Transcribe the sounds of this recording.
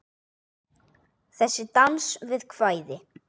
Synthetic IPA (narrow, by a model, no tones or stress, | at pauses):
θɛsːɪt̪ansvɪðkʰvaːjðɪ